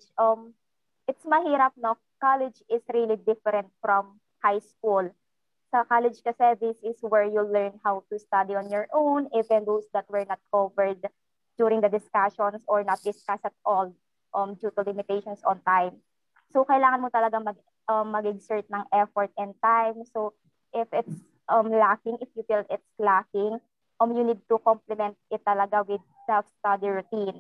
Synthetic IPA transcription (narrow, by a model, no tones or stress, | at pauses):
d͡ʒʔɐm | ʔɪt̪smɐhiːɾɐp̚no | kalɛd͡ʒɪsɹilid̪ɪfɛɾɛnt̪̚fɾɔm | hajskul | sɐkalɛd͡ʒkɐsɛd̪ɪsɪswɛɹjulɛɹnhawt̪ust̪ad̪iɔnjɔɹʔownɪvɛ̃nd̪osd̪ɐt̪̚wɛɹnɐt̪̚kʰovɛɹd̪̚ | d͡ʒjuːɾɪ̃ŋd̪ɐd̪ɪskaʃɔnsɔɹnɐt̪̚d̪ɪskasɐt̪̚ʔɔl | ʔɐmd͡ʒuːt̪ɐlɪmɪt̪ejʃɔnsɔ̃nt̪ajm | sokɐʔɪlaːŋɐnmɔt̪ɐlɐɡamɐɡ | ʔɐmːɐɡɛɡsɛɹt̪̚nɐŋʔɛfɔɹt̪̚ɪ̃nt̪ajmso | ʔɪfɪt̪s | ʔɐmlakɪŋʔɪfjufilɪt̪̚slakɪŋ | ʔɐmjunid̪̚t̪ʊkɔmplɛmɛ̃nt̪̚ɪt̪ːɐlɐɡawɪd̪̚sɛlfst̪ad̪iɹʊt̪ĩn